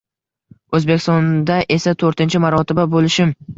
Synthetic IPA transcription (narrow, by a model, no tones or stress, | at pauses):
ɵzbekʲʰɪst̪ɒnd̪aʔesat̪ʰɵɾt̪ɪnt͡ʃʰɪmaɾɒt̪ʰɪbabolɪʃɪm